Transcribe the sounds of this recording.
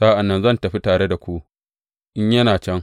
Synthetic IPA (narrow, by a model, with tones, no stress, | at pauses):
sa˦ʔa˨nːɐ˦nzɐ˦˨ntɐ˨ɸi˦taː˨ɽe˦da˨kʷu˦ | ʔɪ˦ɲjɐ˦naː˨t͡ʃɛ˦ŋ